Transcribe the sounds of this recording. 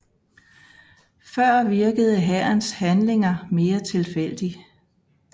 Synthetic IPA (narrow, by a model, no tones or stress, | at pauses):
fɶɐ̰ʋiɐɡ̥əð̞ˠəɦæɐnshænle̝ŋɐme̝ːɐt͡sʰe̝lfel̰d̥i